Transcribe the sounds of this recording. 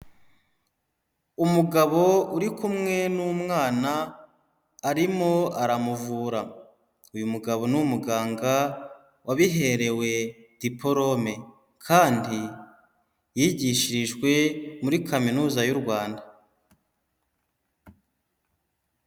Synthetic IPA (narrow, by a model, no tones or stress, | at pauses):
umuɡaβo̞uɾikumŋe̞numŋaːnaː | ɾimo̞aɾamuvuːɾa | ujumuɡaβo̞numuɡaːŋɡa | waβiɦe̞ɾe̞we̞d̥ipʰo̞ɾo̞me̞ | kʰaːndi | jiɟiʃiɾiʒɡwe̞muɾikʰaminuːzajuɾɡwaːnda